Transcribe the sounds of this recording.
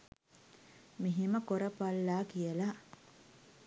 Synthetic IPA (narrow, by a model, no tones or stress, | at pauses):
miɦiməkoɾəpalːaːkijəla